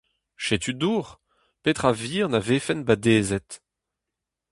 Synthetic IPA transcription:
ʃet̪yd̪uːʁ | pet̪χaviːʁnaveːfɛnbad̪eːzɛt̪

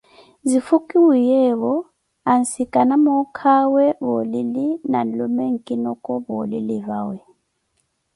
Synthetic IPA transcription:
zifukʼiwijɛβɔ | ansikʼanamɔkʰawɛβɔlilinalɔmɛŋ̩kʼinɔkʼɔbɔlilivawɛ

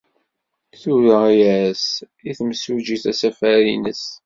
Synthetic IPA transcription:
θuɾəiɾæs | iθmsud͡ʒiθæsæfæɾinəs

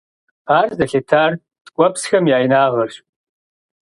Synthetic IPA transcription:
arzaɬetʰar | d̥kʷʼapʰsxamjaːjnaːʁərʃpʼ

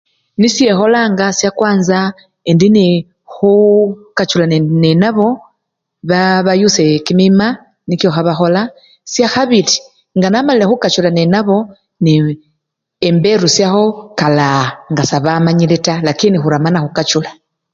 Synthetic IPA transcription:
nisje̞xo̞laŋɡasjakwaːnza | endini | xukat͡ʃulannenaβo̞ | βaβajusekimima | nikjo̞xaβaxo̞la | sjaxaβili | ŋɡanamalile̞xukat͡ʃulanenaβo̞ | ni | embe̞ɾusjaxo̞kalaŋɡasaβamaɲiletalakinixuɾamanaxukat͡ʃula

